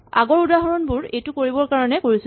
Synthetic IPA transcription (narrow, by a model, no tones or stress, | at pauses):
a̰ɡɔɹudaɦɔɹɔnbuɹejtʊkoɹibɔɹkaɹɔnɛkoɹis